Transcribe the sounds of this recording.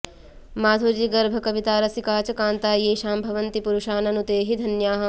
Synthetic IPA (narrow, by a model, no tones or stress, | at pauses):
maːd̪ʱuɾd͡ʒiɡɐɾbʱɐkɐʋit̪aːɾɐsikaːt͡ʃɐkaːnt̪aːjeːʃaːmbʱɐʋɐnt̪ipuɾuʃaːnɐnut̪eːɦid̪ʱɐnjaːɦɐ̆